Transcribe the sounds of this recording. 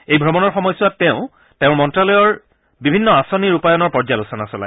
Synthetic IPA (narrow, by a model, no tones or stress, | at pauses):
ejbʱɹɔmɔnɔɹxɔmɔjsʊwatːeʊ̃ | teʊ̃mɔntɹalɔjɔɹ | bibʱinːɔasoniɹupajɔnɔɹpɔɹzalusɔnasɔla̰j